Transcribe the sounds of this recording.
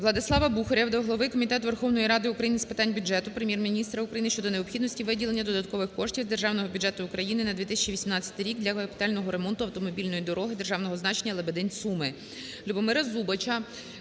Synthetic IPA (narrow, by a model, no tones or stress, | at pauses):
ʋlˠɐd̪ɪslˠɑʋɐbuxɔɾʲɐʋd̪ɐɦlˠɔʋɪkɔmʲit̪ɛt̪ʋe̞rxɔwnɔjiɾɑd̪ɪukɾɐjinɨspɪt̪ɑnʲbʲʊdd͡ʒɛt̪ʊpɾemʲjɛrmʲinʲist̪ɾɐukɾɐjinɪʃt͡ʃɔd̪ɔneɔpxʲid̪nɔsʲtʲiʋɪdʲilˠe̞nʲːɐd̪ɔd̪ɐt̪kɔʋɪxkɔʃtʲiwzd̪e̞rʒɑwnɔɦɔbʲʊdd͡ʒɛt̪ʊːkɾɐjinɪnɐd̪ʋʲit̪ɪsʲɐt͡ʃiʋʲisʲimnɑt͡sʲːɐ̥t̪ɪɾʲikd̪lʲɐkɐɐpʲi̥t̪ɑlʲnɔɦɔɾe̞mɔnt̪ʊɐwt̪ɔmɔbʲilʲnɔjid̪ɔɾɔɦɪd̪e̞rʒɑwnɔɦɔznɑt͡ʃenʲːɐlˠebed̪ɛnʲsumɪ | lʲubɔmɪɾɐzubɐt͡ʃɐ